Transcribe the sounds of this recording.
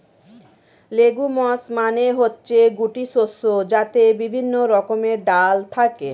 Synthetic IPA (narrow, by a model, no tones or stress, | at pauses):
leɡumɔsmaneɦotːɕʰeɡuʈisosːod͡ʑat̪ebibʱinːoɾɔkomeɾɖalt̪ʰake